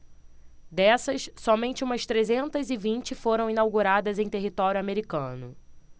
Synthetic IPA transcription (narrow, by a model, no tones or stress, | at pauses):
d̪ɛsɐsːɔmẽnt͡ʃɪũmɐst̪ɾezẽnt̪ɐzɪvĩnt͡ʃɪfoɾɐ̃w̃ĩnawɡuɾad̪ɐzẽj̃t̪eɦit̪ɔɾjʊameɾikɐ̃nʊ